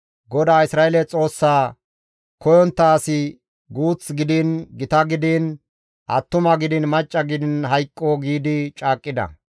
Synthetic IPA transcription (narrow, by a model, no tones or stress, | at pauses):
ɡɔd̪aːɪsɾaːelɛt͡sʼo̞ːsːaː | kʰɔjɔnt̪ːaːsɪ | ɡuːt͡sɡɪd̪ɪːnɡɪt̪ɐɡɪd̪iːn | ʔɐt̪ːʊmɐɡɪd̪ɪnmɐt͡ʃʼːɐɡɪd̪ɪnɦɐjkʼːɔɡiːd̪ɪt͡ʃʼaːkʼːɪd̪ɐ̰